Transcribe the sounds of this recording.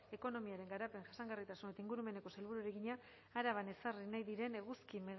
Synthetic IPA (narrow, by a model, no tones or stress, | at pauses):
e̞ko̞no̞miaɾe̞ŋɡaɾape̞ŋʝasaŋɡarit̪asune̞t̪aiŋɡuɾume̞ne̞ko̞salβuɾuaɾeɣiɲaː | ɾaβane̞sarinajðiɾe̞neɣuskimeɣ